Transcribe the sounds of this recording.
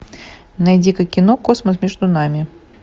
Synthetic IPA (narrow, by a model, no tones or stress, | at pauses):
najd͡zʲikɐkʲinɔkɔsmɐsmʲɛʐd̪unamʲi